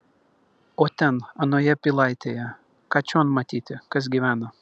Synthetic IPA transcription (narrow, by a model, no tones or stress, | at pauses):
oːt̪ʲɛnɐnoːjɛpʲilˠɑɪt̪ʲejɛ | kɑːt͡ʃʲoːnmɐt̪ʲiːt̪ʲɪkɐs̬ɡʲiʋʲæːnɐ